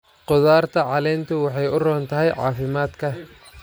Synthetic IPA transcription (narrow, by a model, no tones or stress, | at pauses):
qɔðaːrt̪ʰɐʕɑlɛːnt̪ʰʊwɑħɑjʊrɔːnt̪ʰɐɦɛjʕɑ̰ːfɪmaːd̪kʰɐ